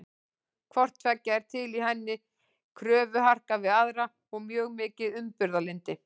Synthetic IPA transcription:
kʰvɔr̥t̪fɛcːaɛɾ̥t̪ʰɪliɦɛnːɪ | kʰɾœːvʏɦar̥kavɪðaðɾa | ɔɣmjœːɣmɪːcɪðʏmpʏɾðalɪnt̪ɪ

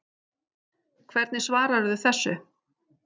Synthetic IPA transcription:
kʰvɛɾt̪nɪsvaːɾaɾʏðʏθɛsːʏ

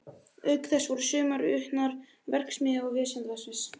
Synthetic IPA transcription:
œɥkθɛsvɔɾʏsʏːmaɾʏ̰hnaɾ | vɛr̥ksmɪaɔvɪːsɛnt̪vasɪns

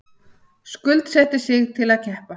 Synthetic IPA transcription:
skʏlt̪sɛht̪ɪsɪɣt̪ʰɪlaðcʰɛhpa

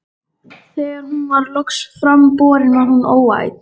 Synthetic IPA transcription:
θɛːɣaɾhunvaɾlɔksfɾampɔːɾɪnaɾhunoːwa̰ːjt̪

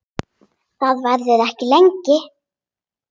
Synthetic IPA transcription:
θaðvajɾðɪðɛhcɪlɛɲcɪ

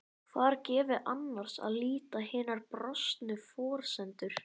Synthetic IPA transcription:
θaðɾcɛːvɪʔanːaɾ̥sa̰ðliːt̪ahɪːnaɾpɾɔst̪nʏfɔːɾ̥sɛnt̪ʏɾ̥

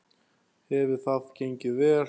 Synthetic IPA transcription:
hɛvɪ̥θaðcejɲcɪvɛː

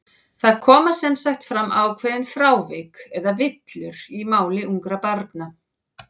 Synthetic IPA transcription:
θaðkʰɔːmasɛmsajxt̪fɾamːʔawkʰvɛːðɪnfɾaːwvɪkɛðavɪt̪lʏɾ̥imaːwlɪuŋkɾapaɾk̪na

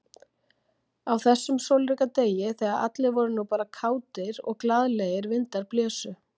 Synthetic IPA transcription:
awθɛsːʏmsowlɾikat̪eːjɪθɛːɣaða̰t̪lɪvɔɾʏnupaːɾakʰaːwt̪ɪɾɔ̰ɣklaðleɣɪɾvɪnt̪aɾplɛːsʏ

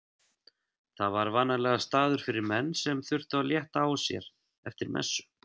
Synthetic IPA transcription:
θaðvaɾvaːnalɛːɣast̪aːðʏɾ̥fɪɾɪɾmɛnːsɛmθʏr̥t̪ʏaljɛht̪aːwsjɛ̰ɾ̥ | ɛft̪ɪɾmʔɛ̰sːʏ̥

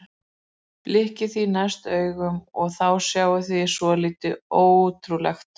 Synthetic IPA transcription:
plɪhcɪθinast̪œːɥɣʏmɔɣθawsjaːwʏθisvɔliːt̪ɪoːwut̪ʰɾulɛ̰xt̪

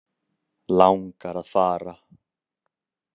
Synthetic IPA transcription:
lawŋkaɾaðfaːɾa

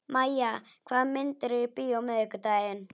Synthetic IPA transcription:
maja | kʰamːɪnt̪əɾipijomekət̪aen

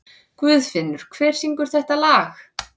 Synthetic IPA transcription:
kvʏðfɪnːʏɾ̥kʰv̥ɛːɾ̥siŋkʏɾ̥θɛht̪alaːx

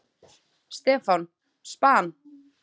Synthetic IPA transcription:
st̪ɛːfan | spaːn

